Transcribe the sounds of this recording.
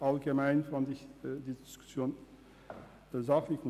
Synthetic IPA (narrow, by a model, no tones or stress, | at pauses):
ʔalɡəmaɪnfandɪçdiːdɪskʊ̥sjoːn | əzaχlɪçm